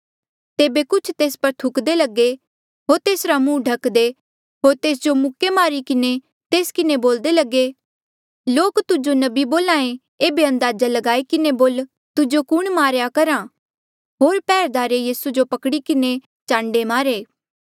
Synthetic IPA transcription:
t̪eːbekʊt͡ʃʰt̪eːspɐɾt̪ʰʊkd̪elɐɡe | ɦoːɾt̪eːsɾamũːɖʱɐkd̪e | ɦoːɾt̪eːs̬d͡ʒomʊkːemaːɾikɪne | t̪eːskɪneboːld̪elɐɡe | loːkt̪ʊd͡ʒonɐbiboːlãːẽ | eːbeɐ̃nd̪aːd͡ʒalɐɡaːikɪneboːl | t̪ʊd͡ʒokʊɽ̃maːɾjakɐɾãː | ɦoːɾpɛːɾd̪aːɾejiːsud͡ʒopɐkɽikɪne | t͡ʃãːɳɖemaːɾeː

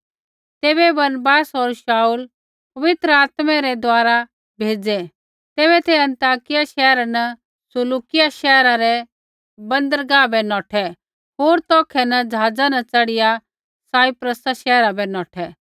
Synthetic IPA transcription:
t̪eːbɛbɐnbaːsoɾʃaːul | pɐʋɪt̪ɾəaːt̪mɛɾɛd̪waːɾa | bʱeːd͡zɛ | t̪eːβɛt̪ʰeɐ̃nt̪aːkɪjaʃɛːɾanɐ | sʊluːkɪjaʃɛːɾaɾɛ | bɐ̃nd̪əɾɡaːbɛnɔːʈʰɛ | ɦoːɾt̪ɔːkʰɛnɐd͡ʒaːd͡zanɐt͡sɐɽɪja | saːipɾəsaʃɛːɾabɛnɔːʈʰɛ

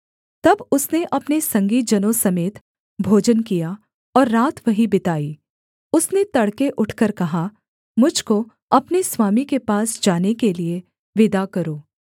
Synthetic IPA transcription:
t̪ɐbʊsneʔɐpnesɐ̃ŋɡiːd͡ʒɐnõsɐmeːt̪ | bʱoːd͡ʒənkija | ɔːɾːaːt̪ʰʋɐɦibɪt̪aːiː | ʊsnet̪ɐɽkeʔʊʈʰkəɾkɐɦa | mʊd͡ʒʱko | ɐpneswaːmikepaːsd͡ʒaːnekelie | ʋɪd̪akɐɾoː

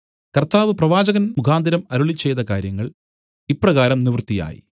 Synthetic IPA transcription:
kɐrt̪aːʋɨprɐʋaːd͡ʑɐɣɐnmukʰaːnd̪ɐɾɐmɐɾuɭit͡ɕːe̞jt̪ɐkaːɾjɐŋːɐɭ | ipːrɐɣaːɾɐmniʋrt̪ːija̰ːjḭ

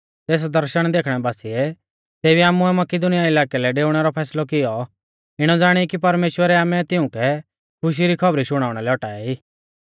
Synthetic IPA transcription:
t̪eːs̬d̪ɐɾʃəɽ̃d̪eːkʰɽ̃ɛbaːsiɛ | seːbiaːmuɛmɐkɪd̪ʊnɪjaɪlaːkɛlɛɖeːʊɽ̃ɛɾɔpʰɛːslɔkɪjɔ | ɪɽ̃ɔd͡zaːɽ̃ikipɐɾmeːʃwəɾɛaːmɛt̪ɪʊ̃kɛ | kʰʊʃ̬iɾikʰɐbɾiʃʊɽ̃aːʊɽ̃ɛlɛɔʈaːɛiː

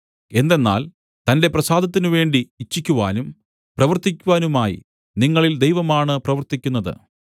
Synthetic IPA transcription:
e̞nd̪e̞nːa̰ːl | t̪ɐnde̞prɐsaːd̪ʱɐt̪ːinuʋe̞ːɳɖiːt͡ɕːikʲːuʋaːnum | prɐʋɐrt̪ikʲːuʋaːnumaːjḭ | niŋːɐɭild̪ejʋɐmaːɳɨprɐʋɐrt̪ikʲːunːɐðɨ̰

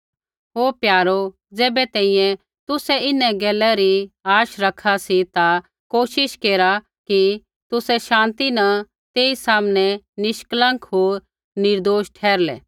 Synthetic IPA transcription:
ɦoːpjaːɾo | d͡zɛːbɛt̪ɛ̃ːĩjɛ̃ | t̪ʊsɛɪnɛɡɛːlɛɾiaːʃɾɐkʰasit̪a | koːʃɪʃkeːɾa | ki | t̪ʊsɛʃãːnt̪inɐ | t̪eːisaːmnɛnɪʃklə̃ŋkɦoːɾ | nɪɾd̪oːʃʈʰɛːɾlɛ̰ː

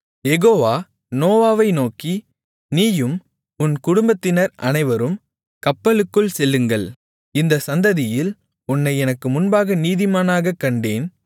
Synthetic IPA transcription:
jɛɣoːʋaː | noːʋaːʋɐɪnoːki | niːjɯm | ʊnkʊɽʊmbɐt̪ːɪnɐɾʔɐnɐɪʋɐɾɯm | kɐpːɐɭɯkːɯɭsɛlːɯŋɡɐɭ | ɪnd̪ɐsɐnd̪ɐðɪjɪl | ʊnːɐɪɛnɐkːɯmʊnbaːɣɐniːðɪmaːnaːɣɐkːɐɳɖeːn

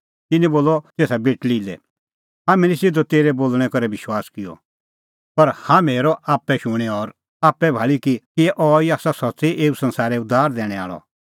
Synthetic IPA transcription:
t̪ɪnɛ̃boːlɔt̪eːsabeːʈlilɛ̰ | ɦaːmɛ̃lisɪd̪ɔt̪eːɾɛboːlɽ̃ɛ̃kɐɾɛbɪʃwaːskɪjɔ̰ | pɐɾhãːmeɾɔaːpːɛʃʊɽ̃ɛɔːɾ | aːpːɛbʱaːɭikikiʔɔːiaːsasɔtseʔeːusɐ̃nsaːɾɛʊd̪aːɾd̪ɛːɽ̃ɛ̃a̰ːɭɔ̰

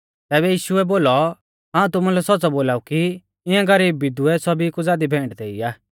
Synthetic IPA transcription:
t̪ɛːβɛjiːʃʊɛboːlɔ | ɦãːũt̪ʊmulɛsɔt͡sɔboːlaːuki | ɪãɡɐɾiːbːɪd̪uɛsɔbikud͡zaːd̪ibʱɛ̃ːɳʈd̪eːiaː

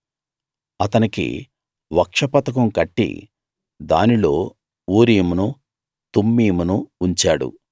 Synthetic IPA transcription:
ɐt̪ɐnikḭ | ʋɐkʂɐpɐt̪ɐk̬ɐmkɐʈːḭ | d̪a̰ːnilo̞ː | uːɾiːmunu | t̪umːiːmunuːɲt͡ʃaːɽṵ

